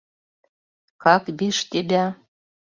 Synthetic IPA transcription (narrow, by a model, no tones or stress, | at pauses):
kɑkbeʃt̪ebʲæ